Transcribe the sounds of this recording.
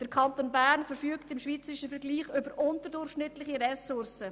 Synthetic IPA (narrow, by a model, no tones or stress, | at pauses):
d̥əɾkʰɑntoːnbæːɾnfəɾfyːktɪmʃʋiːt͡səɾɪʃəfəɾɡliːχʏbəɾʔʊntəɾdʊrχʃnɪtlɪχiɾɛsʊrsə